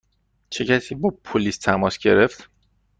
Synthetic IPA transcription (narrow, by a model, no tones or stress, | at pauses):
t͡ʃʰe̞cʰæsiːbɒpʰoliːst̪ʰæmɒːsɟe̞ɾe̞ft̪